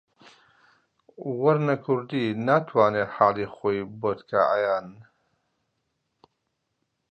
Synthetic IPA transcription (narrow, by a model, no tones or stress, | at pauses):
wɐɾnɐkʰʊɾd̪iːnaːt̪ʰwaːneːħaːliːχoːjboːt̪kʰa̰ʔa̰jaːn